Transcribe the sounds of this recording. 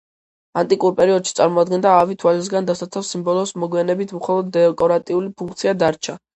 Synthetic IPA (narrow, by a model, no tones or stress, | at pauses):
ant̪ʼikʼuɾpʼɛɾiɔd̪ʃit̪sʼaɾmɔad̪ɡɛnd̪aːvit̪ʰwalis̬ɡand̪asasʰafsimbɔlˠɔsmɔɡwianɛbit̪ʰmχɔlˠɔd̪ːɛkʼɔɾat̪ʼiulipʰuŋk̚ʰt̪sʰiad̪aɾt͡ʃʰa